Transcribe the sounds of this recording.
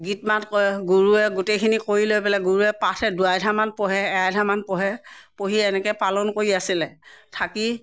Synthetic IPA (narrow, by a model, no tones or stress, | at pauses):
ɡitmatɡuɹuɛɡutejkʰinikoɹilojpɛlaɡuɹuɛpatʰɛduajdʱamanpɔɦɛːajdʱamanpɔɦɛpoɦiɛnɛkɛpalɔnkoɹiasilɛtʰaki